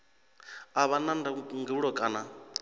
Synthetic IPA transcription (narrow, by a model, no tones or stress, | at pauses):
aβanandaŋɡiβuɺɔkʼaːna